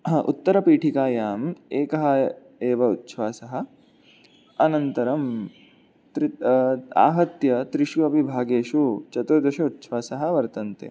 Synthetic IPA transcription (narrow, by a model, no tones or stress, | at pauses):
ṵt̪ːɐɾɐpiːʈʰikaːjaːmeːkɐɦɐ̆ | eːʋɐut̪ːʃʋaːsɐɦɐ̆ | ɐnɐnt̪ɐɾɐm | t̪ɾia̰ːɦɐt̪jɐt̪ɾiʃʋuɐbʱibʱaːɡeːʃut͡ʃɐt̪ud̪ɐʃɐut̪ːʃʋaːsɐɦɐ̆ʋɐɾt̪ɐnt̪ḛ